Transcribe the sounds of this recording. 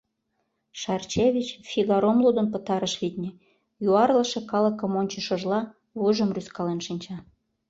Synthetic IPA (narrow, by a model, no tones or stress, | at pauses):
ʃɑrt͡ɕeβʲit͡ɕfʲiɣɑɾomlud̪ənpə̆t̪ɑɾəʃβit̪ʲnʲe | juɑrləʃĕkɑlə̆kə̆monʲt͡ɕə̆ʃŏʒlɑ | βuʒə̆mryskɑlenʃinʲt͡ɕɑ